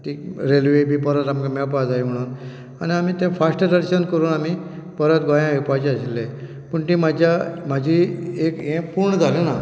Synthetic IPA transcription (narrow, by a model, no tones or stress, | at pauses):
t̪iɾelʋebʱiːpəɾət̪amkameɭpad͡zajm̤əɽ̃uːn | añiamiːt̪ẽfasʈədəɾɕənkəɾuːnami | pəɾət̪ɡɔjãʋepat͡ɕeəɕilːe | pəɳt̪ĩmad͡ʑʱjamad͡ʑʱiekẽpuɾɳəd͡zʱalena